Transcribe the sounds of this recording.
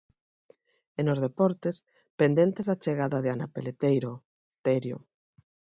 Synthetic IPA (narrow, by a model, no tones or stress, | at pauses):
enozðepɔɾt̪es | pend̪ent̪ezðat͡ʃeɣaðaðeanapelet̪ejɾo | t̪ɛɾjo̰